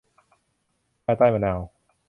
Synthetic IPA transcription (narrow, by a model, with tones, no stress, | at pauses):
pʰaː˧˩jt̪aː˥˩jma˧naː˧w